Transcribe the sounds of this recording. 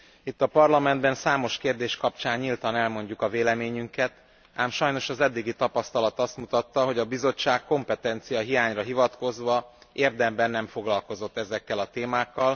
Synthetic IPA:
it̪ːɒpɒrlɒmɛnd̪bɛnsaːmo̞ʃkeːrd̪eːʃkɒpt͡ʃaːɲːilt̪ɒnɛlmo̞ɲɟukɒveːlɛmeːɲyŋkɛt̪ | aːmʃɒjno̞ʃɒzɛd̪ːiɡit̪ɒpɒst̪ɒlɒt̪ɒst̪mut̪ɒt̪ːɒɦo̞ɟɒbizo̞t͡ʃːaːkːo̞mpɛt̪ɛnt̪sijɒɦijaːɲrɒɦivɒt̪ko̞zʋɒeːrd̪ɛmbɛnːɛɱfo̞ɡlɒlko̞zo̞t̪ːɛzɛkːɛlɒt̪eːmaːkːɒl

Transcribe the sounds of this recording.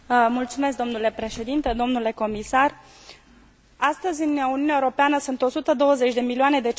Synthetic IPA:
mult̪sume̞s̬k̚d̪o̞mnule̞pɾe̞ʃe̞d̪int̪e̞d̪o̞mnule̞ko̞misar | ast̪əzʲɨnuniunjaeuɾo̞peanəsunt̪o̞sut̪əd̪o̞wəze̞t͡ʃʲd̪e̞milioane̞d̪e̞

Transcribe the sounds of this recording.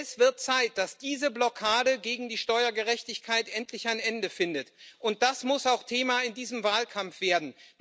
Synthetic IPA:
sv̥ɪɐt̚t͡saɪt̚d̥asd̥iːzəblɔkʰaːdəɡeːɡŋ̩diːʃtɔʏɐɡəʁɛçtɪçkʰaɪtʔɛntlɪçaɪnʔɛndəfɪndətʔʊnt̚d̥asmʊsaʊxtʰeːmaɪndiːzəmvaːlkʰamfv̥eːɐdn̩

